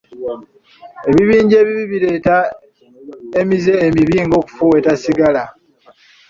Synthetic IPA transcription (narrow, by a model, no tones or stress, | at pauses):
e̞βiβiːɲɟe̞ːβiβiβiɾe̞ːta | emize̞ːmiβiːŋɡo̞ːku̥fuwetasiɡala